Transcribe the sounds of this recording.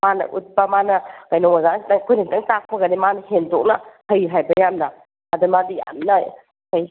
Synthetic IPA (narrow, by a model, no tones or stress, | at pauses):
manɐ̰ʔut̚pɐmanɐkajnɔŋazandaŋkʰojnadaŋtak̚pʰɐɡɐnimanɐhendɔk̚nɐhɐjɦajbɐjamnɐː | dumadija̰mnɐ | kaj